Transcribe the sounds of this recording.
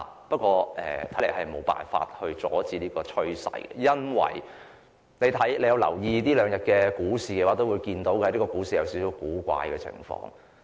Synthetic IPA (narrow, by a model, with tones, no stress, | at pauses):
pɐ˥kʷɔː˧ʔɛ̰ː˨t̪ʰɐ˨˥le˨˩hɐ˨jmo˨˧wpa̰ː˨nfa̰ː˧t̚hɵ˧ɥt͡sɔː˨˥t͡siː˧liː˥kɔː˧t͡ʃʰɵ˥ɥsɐ̰˨jɡɛ̰˧jɐ˥nwɐ̰˨˩j | ne˨˧jt̪ʰɐ˨˥jle˨˧jɐ˧wlɐ̰˨˩wjiː˧t̪iː˥lœː˨˧ŋjɐ˨t̚kɛː˧kuː˨˥siː˨kɛː˧waː˨˥t̪o˥wuː˨˧jkiː˧nt̪o˨˥wkɛ˧liː˥kɔː˧kuː˨˥siː˨jɐ˧wsi˨˥si˨˥wkuː˨˥kʷa̰ː˧jkɛː˧t͡sʰɪ̰˨˩ŋfɔ̰ː˧ŋ